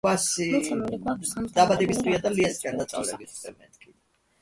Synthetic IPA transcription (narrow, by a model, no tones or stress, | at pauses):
asi | d̪abad̪ɛbist̪ʰwiad̪aliasi̥kʼand̪at̪sʼa̰vlɛ̰bit̪ʰɛmɛ̰nt̪kʼi